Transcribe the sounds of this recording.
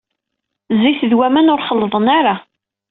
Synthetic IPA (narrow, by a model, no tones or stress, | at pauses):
ziθðwæmænʊɾχəlːəðˤənaɾa